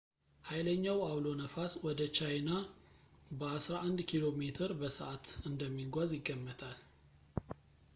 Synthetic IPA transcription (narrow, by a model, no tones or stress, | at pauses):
hajləɲːawawlo̞nəfaswɔd̪ət͡ʃajna | bəasɾaʔand̪kʰilo̞me̞t̪ʰɨɾbəsəʔat̪ɨnd̪əmːiɡʷazjɪɡːəmːət̪ʰal